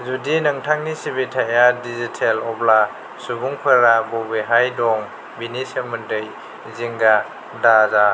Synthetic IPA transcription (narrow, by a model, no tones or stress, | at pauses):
zudinɐŋtʰaŋnisibitʰajadizitʰelɔbla | subuŋpʰɯɾabɔbiɦajdɔŋ | binisemundɯj | ziŋɡa | daza